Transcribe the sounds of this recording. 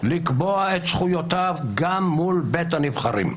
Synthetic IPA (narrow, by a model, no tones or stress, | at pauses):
likboaet̪sχujot̪avɡamːulbet̪hanivχaɾḭm